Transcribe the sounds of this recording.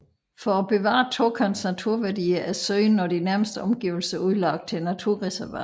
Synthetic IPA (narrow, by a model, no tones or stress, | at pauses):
fɒæb̥e̝ʋɑ̰̈ːt͡sʰokʰɑnsnæt͡sʰuɐ̰ʋæɐdḭːɐʔæsøɪnːɒd̥inæɐməsd̥əɒ̽mɡ̥ḭːʊl̩səuðˠlɑ̈ɡ̥d̥̚t͡sʰe̝lnæt͡sʰuɐ̰ʁɛsæɐʋæ̰